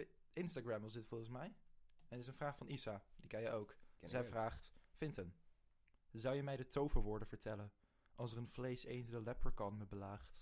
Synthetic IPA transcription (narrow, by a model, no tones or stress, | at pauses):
ɪnstaɡɹɛmʋɑsdɪtfɔlˠχənsmɛjɛnətɪs̬ənvraːχfɑnisadikɛjəowkzɛjvraːχtfɪntən | zɑwjəmɛjdətowvəʋʊːɹdənv̥əɹtɛlən | ʔɑlˠsərənv̥lejsejnzədəlɛpəɹkɑnməbəlaːχt